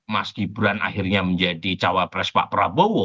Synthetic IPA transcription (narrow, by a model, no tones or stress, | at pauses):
maskibuɾana̰hirɲaməɲd͡ʒadit͡ʃawapɾɛspa̰ʔpəɾabɔwɔ